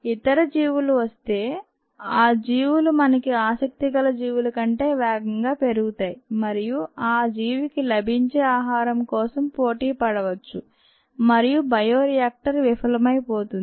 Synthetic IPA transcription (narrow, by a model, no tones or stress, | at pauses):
it̪ɐɾɐd͡ʒiːʋuluʋɐst̪e̞ː | aːd͡ʒiːʋulumɐnɐkiaːsɐk̚t̪iɡɐlɐd͡ʒiːʋulɐkɐɳʈe̞ːʋɛːɡɐŋɡaːpe̞ɾuɡut̪aːjimɐɾijuaːd͡ʒiːʋikilɐbʱiɲt͡ʃeːaːɦaːɾɐmkɔːsɐmpo̞ːʈiːpɐɽɐʋɐt͡ʃːu | mɐɾijubɐjoːɾijaːk̚ʈɐɾʋifʰɐlɐmɐjpoːt̪und̪